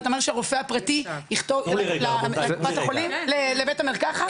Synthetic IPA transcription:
t̪omeʁʃeaʁofeapʁat̪ihiχt̪ovlleuvateolimlelebetameʁkaχa

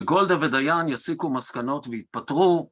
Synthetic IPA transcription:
ɡo̞ld̪aved̪ajanjasikumaskano̞tvejit̪̚patʁu

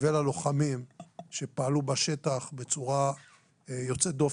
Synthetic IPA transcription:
velalo̞χamimʃe̞paːlubaʃe̞t̪aχbe̞t͡suʁa | jo̞t͡set̚d̪of

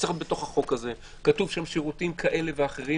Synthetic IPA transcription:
sʁatbeto̞χhaχo̞khaze̞ | katuvʃamʃiʁutimkʰaʔe̞le̞veaχe̞ʁi

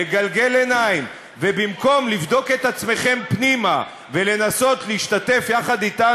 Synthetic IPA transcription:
eɡalɡe̞lenaim | vebimko̞mlivd̪o̞ke̞t̪at͡sme̞χe̞mpnima̰ | ve̞le̞naso̞t̪leiʃt̪at̪e̞fjaχad̪it̪a

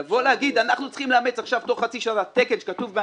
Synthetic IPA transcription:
volehaɡid̪anaχnut͡sχimleamet͡saχʃavt̪o̞χːat͡siʃanat̪ekenʃekatuvbe

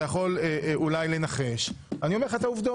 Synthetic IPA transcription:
jaχo̞leʔulajle̞naχe̞ʃ | anio̞me̞ʁat̪auvd̪o

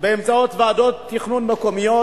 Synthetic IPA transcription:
beemt͡saot̪vead̪ot̪ːiχnunmekomijo

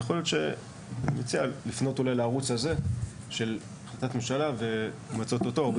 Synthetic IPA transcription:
jeχoljo̞t̪ʃe̞ | met͡sialifno̞tulajlaːʁut͡shaze̞ | ʃe̞l | aχlat̪atmemʃalave̞ | mat͡so̞t̪o̞tob

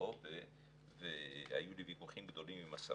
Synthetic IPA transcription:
ove | veha̰julivikuχimɡd̪o̞limimasa̰

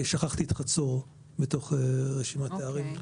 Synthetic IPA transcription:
ʃaχaχt̪iːt̪χat͡soʁ | beto̞χʁeʃimat̪eaʁim

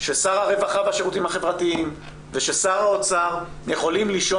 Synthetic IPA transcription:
ʃesaʁaʁe̞vaχavaʃeʁut̪imhaχe̞vʁat̪iim | veʃesaʁaot͡saʁ | jeχo̞limliʃo

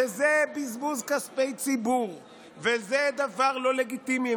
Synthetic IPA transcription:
ezebizmuzkaspejt͡sibuʁ | vezed̪avaʁlo̞le̞ɡit̪imi

